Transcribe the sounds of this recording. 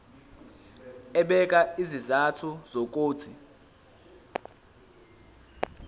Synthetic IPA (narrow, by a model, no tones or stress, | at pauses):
ɛɓɛk̬ʼaizizatʰuzok̬ʼuːtʰi